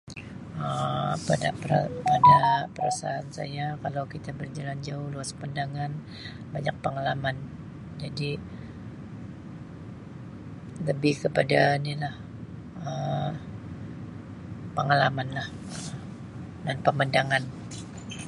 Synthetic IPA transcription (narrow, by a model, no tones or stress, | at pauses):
əpadapəapadapəɾa̰sa̰ansa̰jakalawkit̪abərd͡ʒaland͡ʒaʊhluaspandaŋan | baɲak̚pəŋalaman | d͡ʒadi | ləbɪhkəpadanilah | ə | pəŋalamanlah | ə | danpəmandaŋan